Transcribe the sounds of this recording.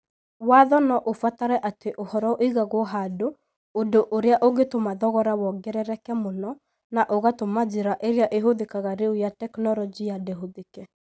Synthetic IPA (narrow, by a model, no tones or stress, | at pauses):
waðɔnɔʔofataɾɛʔateʔohɔɾɔʔiɣaɣwɔɦado | ondoʔoɾeaʔoɣetomaðɔɣɔɾawɔɡɛɾɛɾɛkɛmonɔ | naʔoɣatomad͡ʒeɾaʔeɾeaʔeɦoðekaɣaɾeujatɛknɔɾɔd͡ʒijadeɦoðekɛ